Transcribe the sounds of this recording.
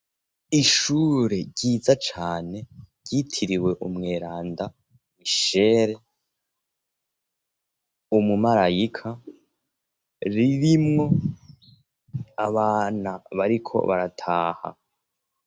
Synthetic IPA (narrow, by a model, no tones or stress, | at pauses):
iʃuɾe̞ɟiːzat͡ʃaːne̞ | ɟitʰiɾiwe̞ʔumŋe̞ːɾaːnda | miʃeːɾe̞ | umumaɾajikʰa | ɾiɾimŋo̞ | aβaːnaβaɾikʰo̞̰βaɾatʰaːha̰